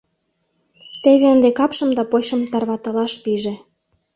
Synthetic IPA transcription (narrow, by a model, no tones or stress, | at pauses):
t̪eβeənd̪ekɑpʃə̆md̪ɑpoɕə̆mt̪ɑrβɑt̪ɑlɑʃpiʒe